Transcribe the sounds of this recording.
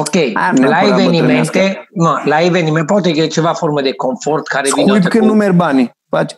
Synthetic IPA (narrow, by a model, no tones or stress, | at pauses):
okejlaevenimẽnnt̪enolaevenimɛ̃npɔt̪eket͡ʃevafɔɾmed̪ekoɱfɔrt̪kaɾekvinujp̬kenumeɾbani | pat͡ʃ